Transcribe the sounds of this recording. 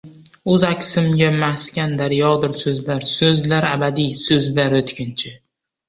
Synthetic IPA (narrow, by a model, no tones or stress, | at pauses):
ɵzakʲʰsɪmɡʲamaskʲand̪aɾjɒd̪ɪɾsɵzlaɾsɵzlaɾabad̪ijsɵzlaɾʊt̪kʲʰɪnt͡ʃʰɪ